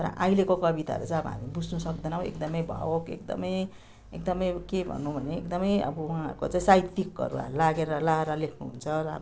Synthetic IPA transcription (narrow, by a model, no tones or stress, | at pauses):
t̪ʌɾʌ̰ʔajlekokʌbit̪a̰ʌ̰ɾut͡saj̃ʌbʌ̰ɦa̰mibud͡znʌsʌk̚d̪ʌnaw̃ḛkd̪ʌmʌjbʱʌ̰wokekd̪ʌ̰mʌj | ekd̪ʌmʌjkebʱʌ̰nːubʱʌneekd̪ʌmʌjʌ̰bʌwuãʌ̰ɾkot͡saĩsajt̪ːikːʌ̰ɾṵa̰laɡeɾʌlaɾʌlekʰnuɦṵnt͡sʰʌɾʌ̰